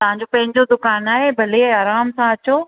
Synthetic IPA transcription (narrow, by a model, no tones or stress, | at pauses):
t̪ɐʋ̤ɦãɲ̆d͡ʑopɐ̃ɦɪ̃ɲd͡ʑod̪ʊkaːnaːɦebʱɐleaːɾaːmsãɐt͡ɕoː